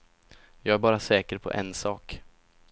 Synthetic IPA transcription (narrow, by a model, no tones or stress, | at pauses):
jɑːɡæɾbɑːɾasɛːkəɾpʰɔ̰ʔɛnsɑːk